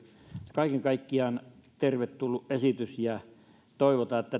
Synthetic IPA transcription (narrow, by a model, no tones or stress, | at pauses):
kɑˑikeŋkɑikːiɑːnt̪erʋet̪t̪ulːuʔʔesit̪ysjɑ | t̪oiʋot̪ɑːet̪ːæ